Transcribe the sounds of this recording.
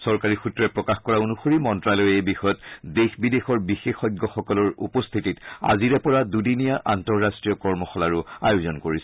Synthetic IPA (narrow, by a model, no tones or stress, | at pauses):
sɔɹkaɹixutɹɔɛpɹɔkaxkɔɹaonuxoɹimɔntɹalɔjejbixɔjɔtdexbidexɔɹbixexɔjɡʱɔxɔkɔlɔɹṵpɔst̪ʰitita̰ziɹɛpɔɹadudinijaʔa̰ntɔɹːastɹijɔkɔɹmɔxɔlaɹʊa̰jʊzɔnkoɹisɛ